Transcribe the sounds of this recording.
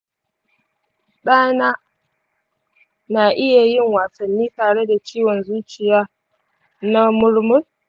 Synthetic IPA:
ɗaː˦naː˦ | naː˨ʔɪ˦ja˨jɪ˦ŋwaː˨sɐ˨nːiː˦taː˨ɽe˦da˨t͡ʃiː˦wɔ˨nzuː˦t͡ʃɪ˨jaː˦ | na˦mʊ˦ɽmʊ˦l

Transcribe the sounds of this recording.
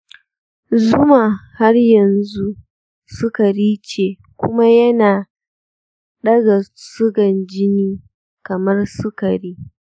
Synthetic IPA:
zʊ˦maː˨ha˦rjɐ˨nzu˦ | sʊ˦kɐ˨ɾiː˦t͡ʃeː˨ | kʷʊ˦ma˦jɐ˦naː˨ | ɗɐ˦ɡa˨sʊ˦ɡɐ˨nd͡ʒɪ˦niː˦ | kɐ˨mɐ˦rsʊ˦kɐ˨ɾiː˦

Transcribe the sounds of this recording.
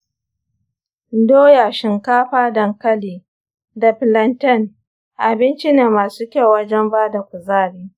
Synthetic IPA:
doː˦ja˨ʃɪ˨ŋkaː˦ɸaː˦dɐ˨ŋkɐ˦liː˨ | da˨ɸɪ˨lɐ˨ntɛ˦˨n | ʔa˨bɪ˦nt͡ʃi˦neː˨maː˨suː˦kʲa˦wwɐ˦d͡ʒɛ˦mbaː˦da˨kʷʊ˨zaː˦˨ɽiː˦

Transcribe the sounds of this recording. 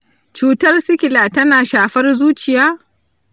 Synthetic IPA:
t͡ʃuː˨tɐ˦rsɪ˦kʲɪ˨laː˨tɐ˦naː˨ʃaː˨ɸɐ˦rzuː˦t͡ʃɪ˨jaː˦

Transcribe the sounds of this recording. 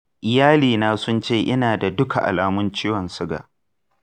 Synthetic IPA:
ʔɪ˨jaː˦liː˨naː˦sʊ˦nt͡ʃeː˦˨ʔɪ˦naː˨da˨dʊ˦kʰa̰˨ʔa̰˨laː˨mʊ˦nt͡ʃiː˦wɔ˨nsʊ˦ɡa̰ː˨

